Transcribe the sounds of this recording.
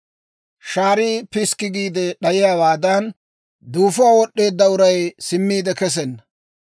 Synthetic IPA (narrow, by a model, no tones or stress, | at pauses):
ʃaːɾiːpɪskːɪɡiːd̪ɛɗɐjɪjaːwaːd̪ɐn | d̪uːfʊwaːwɔɗːe̞ːd̪ːɐʊɾɐjsɪmːiːd̪ɛkɛs̬ɛnːɐ